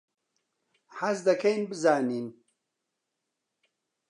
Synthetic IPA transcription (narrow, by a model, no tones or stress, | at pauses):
ħazd̪ɐkʰejnbɨzaːniːn